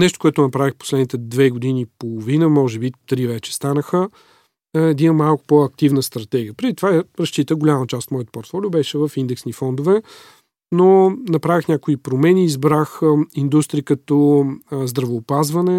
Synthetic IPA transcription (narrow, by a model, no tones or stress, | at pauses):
nɛʃt̪o̥kʊɛt̪ʊnɐpɾavixpo̥slɛd̪nit̪ɛd̪vɛɡod̪inipolˠovinəmɔʒɛbit̪ɾivɛt͡ʃɛ̥st̪anəxə | ɛd̪inəmalˠkʊ̥pɔɐk̚t̪ivnəst̪ɾɐt̪ɛɡʲiəpɾid̪it̪ovaɛɾɐst͡ʃit̪əɡʊlʲamət͡ʃast̪mɔjət̪o̥poɾt̪fɔlʲiubɛʃɛvəfind̪ɛksnifɔnd̪ovɛ | nonɐpɾavixnʲakoipɾomɛniːzbɾaxind̪ust̪ɾiəkɐt̪ɔzd̪ɾɐvoːpazvɐnɛ